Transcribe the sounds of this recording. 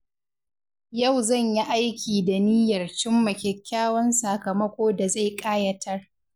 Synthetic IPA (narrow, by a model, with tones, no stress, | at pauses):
ja˦˨wzɐ˦˨ɲji˦ʔa˦jkʲiː˨da˨niː˦jɐ˨rt͡ʃɪ˦mːɐ˨kʲɛ˨kʲːaː˦wɐ˦nsa˨kɐ˨mɐ˦kʷoː˦da˨za˦˨jkʼaː˦jɐ˦tʰɐ˦r